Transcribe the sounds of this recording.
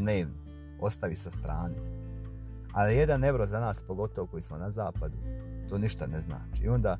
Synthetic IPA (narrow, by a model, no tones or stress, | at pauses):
d̪neːʋno | o̞st̪aʋisast̪ɾaːne | alije̞d̪ane̞ʋɾo̞ːzanaːspo̞ɡo̞t̪o̞ʋoko̞jismo̞nazaːpad̪ut̪oːniʃt̪anezna̰ːt͡ʃiio̞nd̪aː